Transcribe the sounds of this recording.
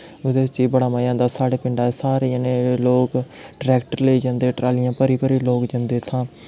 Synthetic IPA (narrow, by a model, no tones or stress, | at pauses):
ʊd̪eːt͡ʃiːbəɽaːməjãːd̪aːsaːɽeːpɪɳɖaːeːsaːɾeːənẽːloːk | ɖɾɛːkʈəɾləiːd͡ʒãnd̪eːʈɾaːlɪjãːpəɾiːpəɾiːloːkd͡ʒə̃nd̪eːt̪ʰãː